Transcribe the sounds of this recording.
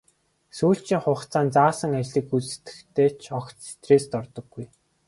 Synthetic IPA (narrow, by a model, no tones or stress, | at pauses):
suːɬt͡ɕiːŋχʊχt͡saːnt͡saːsə̆ŋat͡ɕɮiːkut͡sɘ̥̆t̪ɘ̥̆kt̪ʰeːt͡ɕʰɔxkt̪si̥t̪reːst̪ɔrt̪ɞ̆ɡːuj